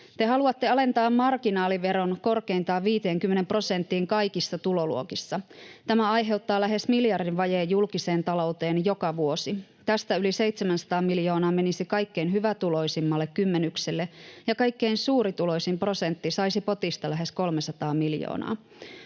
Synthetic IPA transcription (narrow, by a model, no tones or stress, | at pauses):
t̪e̞ɦɑluɑt̪ːeɑle̞nt̪ɑːmːɑrkinɑːliʋe̞ɾo̞nko̞rkeint̪ɑːʋiːt̪e̞ːŋkymːene̞mpro̞sent̪ːiːŋkɑjkisːɑt̪ulo̞lṵokisːɑt̪æmæɑjɦe̞wt̪ːɑːlæɦe̞smiljɑrdinʋɑjeːjːulkise̞ːnt̪ɑlo̞ut̪e̞ːnjo̞kɑʋuo̞si | t̪æst̪æylise̞jt̪semænsɑ̥t̪ɑːmiljo̞ːnɑːme̞nisikɑjkːeinɦyʋæt̪ulo̞jsimːɑlːekkymːenykselːejɑkɑjkːe̞insuːɾit̪ulo̞jsimpro̞se̞nt̪ːisɑisipo̞t̪ist̪ɑlæɦe̞sko̞lmesɑt̪ɑːmiljo̰ːnɑ̰ː